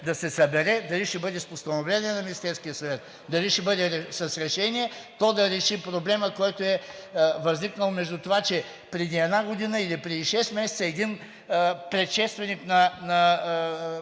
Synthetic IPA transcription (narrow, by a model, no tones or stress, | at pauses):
d̪ɐsɛsɐbɛɾɛd̪ɐliʃɛbɤd̪ɛspost̪ɐnovlʲɛnʲiɛnɐmʲinʲist̪ɛɾskijəsɐvɛt̪̚ | d̪ɐliʃɛbɤd̪ɛɾɛsɐsɾɛʃɛniɛt̪ɔd̪ɐɾɛʃipɾoblɛməkɔjt̪oɛvɐzniknɐlˠomɛʒd̪ut̪ovat͡ʃɛ | pɾɛd̪iɛd̪naɡod̪inəilipɾɛd̪iʃɛst̪mɛsɛt̪əɛd̪in | pɾɛt̪ʃɛst̪vɛnʲiknɐnɐ